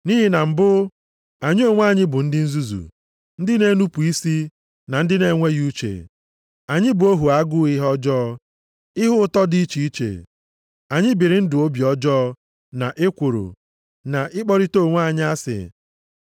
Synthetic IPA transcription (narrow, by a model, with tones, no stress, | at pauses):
niː˦ɦi˦na˨m̩˨bʊ˦ | a˨ɲɪ˦o˨ŋʷa˦˨ɲɪ˦bʊ˨n̩˦dɪ˦n̩˦zu˦zṵ˨ | n̩˦dɪ˦ne˦nu˦pu˨i˦si˦ | na˨n̩˦dɪ˦ne˨˦ŋʷe˦ju˦t͡ʃḛ˨ | a˨ɲɪ˦bʊ˨o˦ɦu˨a˦ɡʊ˦ɪ˦ɦɔ˦d͡ʒɔː˦ | ɪ˦ɦʊ˦tɔ˦di˦t͡ʃi˨i˦t͡ʃḛ˨ | a˨ɲɪ˦bi˨ɾɪ˨n̩˦dʊ˨o˦bi˨ɔ˦d͡ʒɔː˦ | na̰˨ʔe˦kʷu˨ɾṵ˨ | na˨ʔɪ˦k͡pɔ˦ɾi˦to˦˨ŋʷ˦a˦˨ɲɪ˦a˦sɪ̰˨